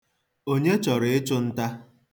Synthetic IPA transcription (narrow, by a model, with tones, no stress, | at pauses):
o˦ɲe˦t͡ʃɔ˨ɾɪ˨ɪ˦t͡ʃʊ˦n̩˦ta˦